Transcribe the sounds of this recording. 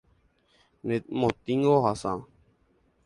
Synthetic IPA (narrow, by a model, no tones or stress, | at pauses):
net̪̚mot̪iŋɡoɦasã̰